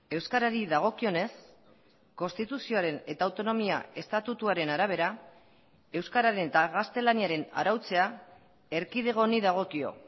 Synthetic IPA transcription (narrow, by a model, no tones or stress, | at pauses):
e̞wskaɾaɾiðaɣ̞o̞kio̞ne̞s | ko̞nst̪it̪usioaɾe̞ne̞t̪aːwt̪o̞no̞mia̰e̞st̪at̪ut̪uaɾe̞naɾaβ̞e̞ɾa | e̞wskaɾaɾe̞net̪aɣast̪e̞laniaɾe̞na̰ɾawt͡se̞a | e̞ɾkið̞e̞ɣ̞o̞niðaɣ̞o̞kio̞̰